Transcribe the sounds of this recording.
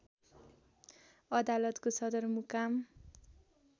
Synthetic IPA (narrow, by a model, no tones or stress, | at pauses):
ʌd̪alʌt̪kosʌd̪ʌrmukam